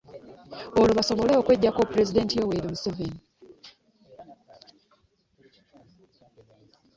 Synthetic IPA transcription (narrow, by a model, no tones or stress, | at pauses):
oloβaso̞βo̞leokweɟːakopuɾezide̞ntijoweɾimusoveni